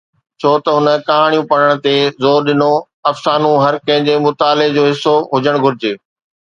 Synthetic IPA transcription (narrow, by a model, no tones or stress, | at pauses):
t͡ɕʰoːt̪ɐɦʊnə̆kɐɦaːɽ̃jũpɐɽəɽ̃t̪ezoːɾɗɪno | ɐfsaːnũɦɐɾkɐ̃ɦɪ̃ɲd͡ʑemʊt̪aːlɪd͡ʑoːɦɪsːoɦʊd͡ʑəɽ̃ɡʱʊɾɪd͡ʑeː